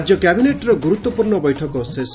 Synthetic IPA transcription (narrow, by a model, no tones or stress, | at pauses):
d͡ʒjɔkjabineʈɾɔɡuɾut̪ːwɔpuɾɳɔbɔjʈʰɔkɔses